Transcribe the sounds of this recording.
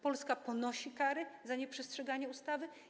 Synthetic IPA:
pɔlskapɔnɔɕikaɾɘzaɲɛpʂɛstʂɛɡaɲɛust̪avɘ

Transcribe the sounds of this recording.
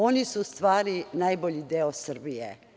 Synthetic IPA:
o̞nisuust̪ʋaːɾinajboʎid̪eosr̩bijḛ

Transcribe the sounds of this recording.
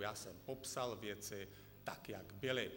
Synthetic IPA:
jaːsɔmpɔpsalʋjɛt͡sɛ | t̪a̰kjaɡbɛlɛːp

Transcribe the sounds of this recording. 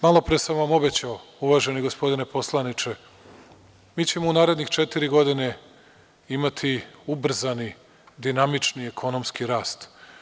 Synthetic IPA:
malˠo̞pɾesamʋamo̞be̞t͡ɕaouʋaːʒe̞niɡo̞spo̞d̪ine̞po̞slˠanit͡ʃe̞ | miːt͡ɕemounaːɾe̞d̪nixt͡ʃe̞t̪iɾiɡo̞d̪ine̞ | imat̪ʰiubr̩zani | d̪inamit͡ʃniekʰo̞no̞mskiɾaːst̪

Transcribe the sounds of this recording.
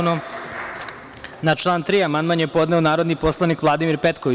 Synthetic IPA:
no | nat͡ʃlˠaːnt̪ɾiːamand̪manjepo̞d̪neonaːɾod̪nipo̞slˠanikʋlˠad̪imiɾpet̪koʋi

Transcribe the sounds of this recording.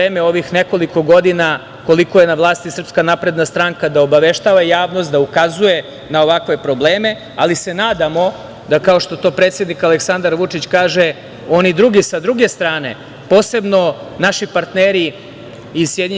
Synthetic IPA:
eːmeo̞ʋixne̞ko̞liko̞ɡo̞d̪ina | ko̞liko̞jenaʋlˠaːst̪isr̩pskanapɾe̞d̪nast̪ɾaŋkad̪aobaʋe̞ʃt̪aʋajaːʋnost̪d̪aukazuje̞ | nao̞ʋakʋe̞pɾo̞bleːme̞ | a̰lise̞naːd̪amo̞ | d̪akao̞ʃt̪o̞t̪o̞ːpɾet̪sje̞d̪nikaleksand̪aɾʋut͡ʂit͡ɕkaːʒe | o̞nid̪ɾuɡisad̪ɾuɡe̞st̪ɾaːne̞̰ | po̞ːse̞bno̞naʃipaɾt̪neːɾiː | sjed̪ɲ

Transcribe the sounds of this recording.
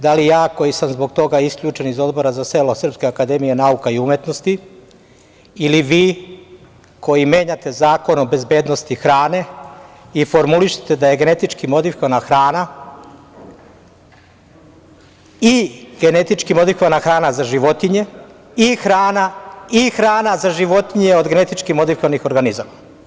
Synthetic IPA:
d̪alijaːko̞jisamzbo̞ɡt̪o̞ɡaiskʎuːt͡ʃe̞nizo̞d̪bo̞ɾazase̞ːlo̞sr̩pskeakad̪e̞mije̞naukaiumje̞t̪nost̪i | iliʋiː | ko̞jime̞ːɲat̪e̞zaːko̞nobe̞zbe̞ːd̪nost̪ixɾaːne̞ | ifo̞ɾmuliʃe̥t̪ed̪aje̞ɡe̞ne̞t̪it͡ʃkimo̞d̪ifikoanaxɾaːna | iɡ̥e̞ne̞t̪it͡ʃkimo̞d̪ifikoʋanaxɾaːnazaʒiʋo̞t̪iɲe̞ | ixɾaːnaixɾaːnazaʒiʋo̞t̪iɲe̞o̞d̪ɡe̞ne̞t̪it͡ʃkimo̞d̪ifikoʋanixo̞ɾɡanizama

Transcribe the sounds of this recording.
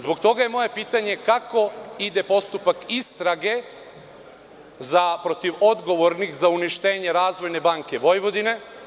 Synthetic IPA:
zbo̞kt̪o̞ɡajemo̞je̞piːt̪aɲe̞kako̞id̪e̞po̞st̪upakist̪ɾaɡe̞ | zapɾo̞t̪iʋo̞d̪ɡo̞ʋo̞ɾnixzauniʃt̪e̞ːɲe̞ɾaːzʋo̞jne̞baːŋke̞ʋo̞jʋo̞d̪ine̞

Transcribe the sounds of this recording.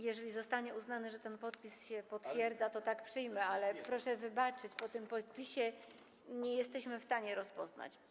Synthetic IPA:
jɛʐɛlʲizɔst̪aɲɛuznanɘʐɛt̪ɛnpɔt̪̚pʲisɕɛpɔt̪fʲjɛɾd̪zat̪ɔt̪akpʂɘjmɛalɛpɾɔʂɛvɘbat͡ʂɘt͡ɕpɔt̪ɘmpɔt̪̚pʲiɕɛ | ɲɛjɛst̪ɛɕmɘfst̪aɲɛɾɔspɔzna̰t͡ɕ

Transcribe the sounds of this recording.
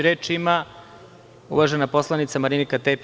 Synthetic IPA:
ɾeːt͡ʃima | ṵʋaʒenapo̞slˠanit̪samaɾinikat̪ep

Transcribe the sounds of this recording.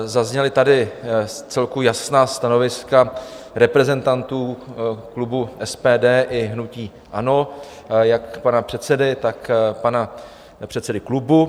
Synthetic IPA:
zazɲɛlɪt̪adɪt͡sɛlkujasnaːst̪ano̞vɪska | ɾɛpɾɛzɛnt̪ant̪uːklubuʔɛspɛːdɛːʔɪɦnuciː | ʔano̞ | jakpanapr̥ɛt̪sɛdɪt̪akpana | pr̝̥ɛt̪sɛdɪklubu

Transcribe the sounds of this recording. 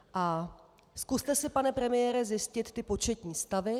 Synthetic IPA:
ʔa | skust̪ɛsɪpanɛpɾɛmɪjɛːɾɛzjɪscɪt̪ːɪpo̞t͡ʃɛt̪ɲiːst̪avɪ

